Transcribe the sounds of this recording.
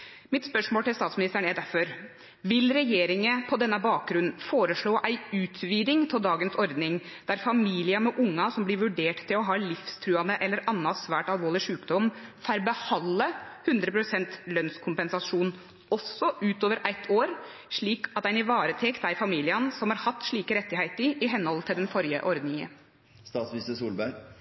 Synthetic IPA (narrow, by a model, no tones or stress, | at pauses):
mɪt̪spœʂmoːʈ̪ɪlst̪ɑːt̪smɪnɪst̪əɳɛd̪æɾfɔɾ | ʋɪlɾɛjeːɾɪŋəpʰɔd̪ɛnːəbɑːk̚ɡɾʉnn̩foːɾəʂɭoːʔæɪʉːt̪ʰʋiːd̪ɪŋt̪ʰɪld̪ɑːɡənsɔɾd̪nɪŋd̪̥æɾfɑmiːlɪɑmɛʔʊŋːɑsɔmblɪɾʋʉɖeːʈt̪ʰːɪlɔɦɑːlɪfst̪ʰɾʉːɑnd̪əʔɛlːəɾɑnːɑsʋæːʈɑlʋoːlɪʂʉːkd̪ɔmfæɾbəhɑlːəhʉnd̪ɾəpʰɾʊsɛnt̪lœnskʰʊmpɛnsɑʂuːn | ɔsːɔʔʉːt̪oːʋəɾʔæɪt̪ʰːoːɾ | ʂɭiːkɑt̪æɪnɪʋɑːɾət̪ʰɛkt̪æɪfɑmiːlɪənsɔmhɑɾhɑt̪ːʂɭiːkəɾɛt̪ːɪhæɪt̪əɾɪɦɛnːhɔlt̪ʰɪld̪ɛnfɔɾjə̰ʔɔɾd̪nɪŋə̰n | st̪ɑːt̪smist̪əsuːlbæɾ